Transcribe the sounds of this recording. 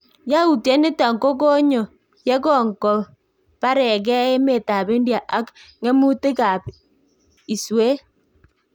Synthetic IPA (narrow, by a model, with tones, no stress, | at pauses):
ja˦u˨tjɛ˦ne˦ta˨ŋko˦ko˦ɲɔ˨ | jɛ˦ɣɔ˦˨ŋkɔ˨ | pa˦ɾɛ˨ɣɛ˦e˦me˨ta˨βe˦ndja˨ʔa˦kŋɛ˦mu˦te˦ɣa˨p | i˨swe˦